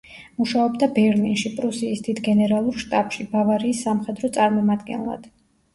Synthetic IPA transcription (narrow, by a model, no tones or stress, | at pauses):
muʃaɔbd̪abɛɾlinʃipʼɾusiːsd̪id̪ʰɡɛnɛɾalˠuɾʃt̪ʼapʼʃibavaɾiːsːamχɛd̪ɾɔt̪sʼaɾmɔmad̪ɡɛ̰nlˠa̰d̪̥